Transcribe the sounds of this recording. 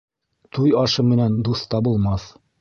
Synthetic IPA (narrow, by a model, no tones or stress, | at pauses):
t̪ujɑʃɤmɘ̆nænd̪uθt̪ɑbulˠmɑθ